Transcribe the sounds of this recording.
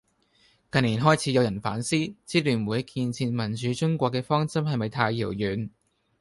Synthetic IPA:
kɐ˨nliː˨˩nɦɔː˥jt͡sʰi˨˧˥jɐ˨˧wjɐ˨˩nfaː˨˥nsiː˥t͡siː˥lyː˨˩nmuː˨jɐ˥kʰːiː˧nt͡sʰiː˧nmɐ˨˩nt͡ʃyː˨˥t͡ʃʊ˥ŋkʷɔː˧kːɛː˧fɔː˥ŋt͡sɐ˥mhɐ˨jmɐ˨jt̪ʰaː˧jːiː˨˩wjyː˨˥n

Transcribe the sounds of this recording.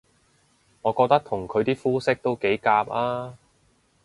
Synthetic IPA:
ŋɔː˨˧kɔː˧k̚t̪ɐ˥k̚t̪ʰʊ˨˩ŋkʰɵ˨˧ɥt̪iː˥fuː˥sɪ˥k̚t̪o˥wke˨˥jkaː˧p̚aː˥

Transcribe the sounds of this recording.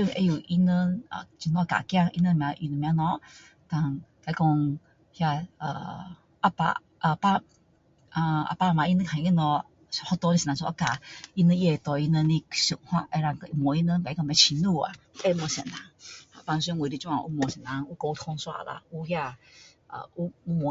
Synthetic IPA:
ju˧n˨ʔe˧ju˨ʔi˧nə˧nə̰˨t͡ɕi˧nɔ˧˦ka̰˨kja˥˧˨ŋʔḭ˧nə˧n˦mj̃ã˧˦ʔi˧nə˧mj̃ã˧nɔ˧˦ | ta˨ŋka˧i˧kɔ˧ŋ | hja˧ə̰˨˩ | ʔa˧pa̰˧ | ʔə˧pa˧ | a˧a̰˧pa˧˨mã˨˧ʔi˧˦nə̃˧˦kʰã˨i˧i˧nɔ˧ | hɔ˧t̪ɔ˧˦nĩ˧si˨nã˨˧˦sɔ˧ʔa˧˦ka˨i˦˧nə˧je˧˨t̪ɔ˧i˧nə˧nĩ˧ɕu˨˩ŋhwa̰˧ʔe˧ɾa˧˨ŋkmɔ˨˦i˧nə˧˦˧pa˨˦kma˧˦t͡ɕʰi˧nu˥˧˨a̰˨e˦˧mɔ˨˩ɕɛ̰˨na˨˧˦ŋha˨˦pa˧n˧s̬ʷɛ˧˦ŋ˧wi˨ɾi˧t͡ɕã˧˨˧u˧˦mɔ˨sɛ˨nã˨˧˦ŋu˦ko˧t̪ʰɔ˧ŋswa̰˦˧la̰˧u˧hja˧ | ə̰˨u˧u˧mɔ˨

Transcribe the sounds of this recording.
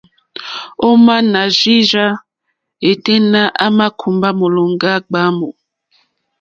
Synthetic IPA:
o˦ma˦na˨ʒi˦ʒa˦ | e˨te˦na˦ʔa˦ma˦kʰu˨mba˦mo˨lo˨ŋ˦ɡa˦ɡ͡ba˦mo˨

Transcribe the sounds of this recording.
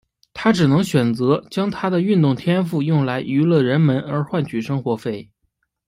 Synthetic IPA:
t̪ʰa˥ʈ͡ʂɻ̩˨˩nɤ˧˥ŋɕɥɛ˨˩nt͡sɤ˧˥t͡ɕjɑ˥ŋt̪ʰa˥d̪ə˨y˥˧nt̪ʊ˥˩ŋt̪ʰjɛ˥nfu˥˧jʊ˥˩ŋla˧˥ɪʔy˧˥lɤ˥˩ɻə˧˥nmə˧˥nə˞˧˥xwa˥˩nt͡ɕʰy˨˩ʂɤ˥ŋxwɔ˧˥fe˥˩ɪ

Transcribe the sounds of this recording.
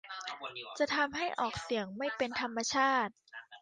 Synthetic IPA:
t͡ɕa˨˩t̪ʰa˧mɦa˥˩jʔɔː˨˩k̚si˩˦əŋma˥˩jpe˧nt̪ʰa˧mːa˧t͡ɕʰaː˥˩t̪̚

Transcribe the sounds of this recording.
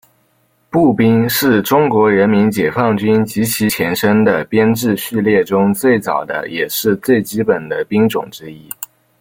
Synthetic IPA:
pu˥˩pi˥ŋʂɻ̩˥˩ʈ͡ʂʊ˥ŋkwɔ˧˥ɻə˧˥nmi˧˥nt͡ɕjɛ˨˩fɑ˥˩ŋt͡ɕy˥nt͡ɕi˧˥t͡ɕʰi˧˥t͡ɕʰjɛ˧˥nʂə˥ŋd̪ə˨pjɛ˥nʈ͡ʂɻ̩˥˧ɕy˥˧ljɛ˥˩ʈ͡ʂʊ˥ŋt͡swe˥˩ɪt͡sɑ˨˩ʊd̪ə̰˦jɛ˨˩ʂɻ̩˥˧t͡swe˥˩ɪt͡ɕi˧˥pə˨˩nd̪ə˦pi˥ŋʈ͡ʂʊ̰˨˩ŋʈ͡ʂɻ̩˥i˥

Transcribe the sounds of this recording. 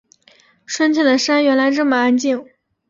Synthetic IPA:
ʂwə˥nt͡ɕʰɛ˥˩d̪ə˩ʂa˥nɥɛ˧˥nla˧˥ɪʈ͡ʂɤ˥˩mə˩a˥nt͡ɕi˥˩ŋ

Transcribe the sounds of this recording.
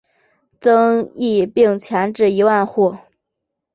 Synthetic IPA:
t͡sɤ˥ŋi˥˧pi˥˩ŋt͡ɕʰjɛ˧˥nʈ͡ʂɻ̩˥˩i˧˥wa˥˧nxu˥˩

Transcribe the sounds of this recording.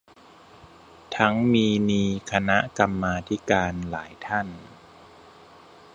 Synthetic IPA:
t̪ʰa˦˥ŋmiː˧miː˧kʰa˧na˦˥ka˧mːaː˧t̪ʰi˦˥kaː˧nla̰ː˩˦jt̪ʰa˥˩n

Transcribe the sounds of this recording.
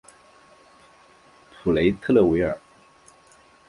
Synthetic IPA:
pʰu˨˩le˧˥ɪt̪ʰɤ˥˧lə˥˩we˧˥ɪə˞˨˩˦

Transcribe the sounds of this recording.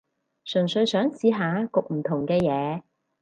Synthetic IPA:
sɵ˨˩ŋsɵ˧ɥsœː˨˥ŋt͡siː˨˧ɦaː˨˧kʊ˨k̚m̩˨˩t̪ʰʊ˨˩ŋkɛː˧jɛː˨˧

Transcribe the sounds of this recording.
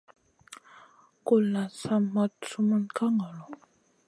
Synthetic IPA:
ko˨la˨sa˦ma˦t͡su˦mə˦nka˦ŋa˨lɔ˨

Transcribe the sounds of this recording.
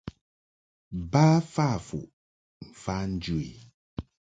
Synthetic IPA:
ba˦fa˦˨fṵ˨ | m̩˨fa˦n̩˦d͡ʒu˦ḛ˨

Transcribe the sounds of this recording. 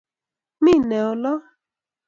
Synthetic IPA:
mi˦˨nɛ˨ɔ˨lɔ˦

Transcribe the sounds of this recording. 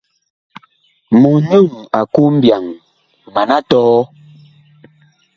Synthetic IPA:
mu˨ɲu˦˨ŋa˨ku˦m̩˦bja˨ŋ | ma˨na˦tɔː˦

